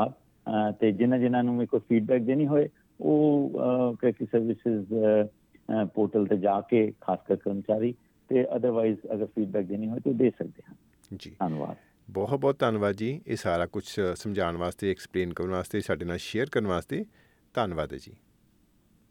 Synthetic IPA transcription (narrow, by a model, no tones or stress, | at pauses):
aːd̪̚ | t̪eːd͡ʒɪnãːd͡ʒɪnãːnũːẽːkʊt͡ʃpʰiːɖ̚bɛːk̚d̪eːnĩːɦoːeː | oː | keːkisəɾʋɪsɪz | poːɾʈəlt̪eːd͡ʒaːkeːkʰaːskəɾkəɾmət͡ʃaːɾiː | t̪eːʔəd̪əɾʋaːizəɡəɾpʰiːɖbɛːk̚d̪eːnĩːɦoːeːt̪ed̪eːsək̚d̪eːɦə̃ː | d͡ʒiːaːnʋa̰ːd̪̚ | bɔːt̪̚bɔːt̪ːaːnʋaːd̪d͡ʒiːeːsaːɾaːkʊt͡ʃʰsəmd͡ʒʱaːɳʋaːst̪eːɛkspleːnkəɾnʋaːst̪eːsaːɖeːnaːlʃeːəɾkəɾənʋaːst̪eː | t̪aːnʋaːd̪ɛ̰ːd͡ʒḭː